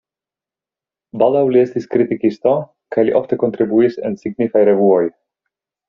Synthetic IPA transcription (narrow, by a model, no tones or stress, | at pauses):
bald̪awliest̪iskɾit̪ikist̪o̞ | kajliʔoft̪e̞ko̞nt̪ɾibuisḛnsiɡnifajɾevuoj